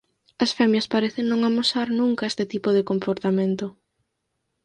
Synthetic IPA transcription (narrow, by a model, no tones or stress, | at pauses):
ɐsfɛmjɐspaɾeθeŋnõŋamosaɾnũŋkɐest̪ɪt̪ipoðɪkompoɾt̪amẽnt̪o